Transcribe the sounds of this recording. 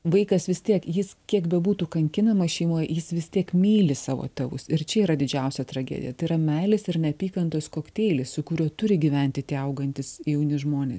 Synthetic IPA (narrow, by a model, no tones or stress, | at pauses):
ʋɐɪkɐsʋʲɪst̪ʲiɛkjɪskʲiɛkbʲɛbuːt̪uːkɐŋʲkʲɪnɐmɐsʃʲɛɪmuɔjjɪsʋʲɪst̪ʲiɛkmʲiːlʲɪsɑːʋo̰ːt̪ʲɛʋʊ̰sɪɾt͡ʃʲɛiːɾɐd̪ʲɪd͡ʒʲɛʊsʲɛt̪ɾɐɡʲɛ̰ːd̪ʲɪ̰jɛt̪ɐɪiɾɐmʲɛɪlʲɪsɪɾnʲɛɐpʲiːkɐnt̪oːskoːkt̪ʲeɪlʲɪssʊkʊɾʲuɔt̪ʊɾʲɪɡʲiːʋʲɛnʲt̪ʲɪt̪ʲiːɐʊɡɐnʲt̪ʲɪsjɛʊnʲɪʒmoːnʲḛːs